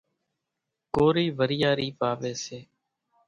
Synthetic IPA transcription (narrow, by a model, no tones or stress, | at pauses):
koːɾiːʋəɾɪjaːɾiːpaːʋeːseː